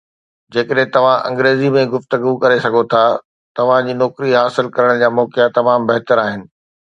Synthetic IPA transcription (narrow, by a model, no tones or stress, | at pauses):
d͡ʑeːkəɗɦɪ̃t̪ɐʋ̤ãʔɐ̰̃ŋɡɾeːzimẽɡʊft̪əɡukɐɾesɐɡʱot̪ʰaː | t̪ɐʋ̤ãd͡ʑiːnɔːkɾiɦaːsɪlkɐɾəɽ̃d͡ʑaːmɔːkɪjat̪ɐmaːmbɐɦt̪əɾaːɦɪnɪ̆